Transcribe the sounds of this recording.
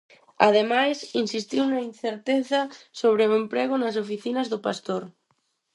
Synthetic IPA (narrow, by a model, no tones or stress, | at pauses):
a̰ðemajsinsist̪iwnainθeɾt̪eθɐsoβ̞ɾeoempɾeɣʊnɐs̬ofiθinɐzðʊpast̪oɾ